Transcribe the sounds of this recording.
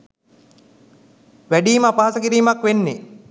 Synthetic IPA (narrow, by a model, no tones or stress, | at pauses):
ʋæɖiːməːpaːasəkiɾiːmakʋenːe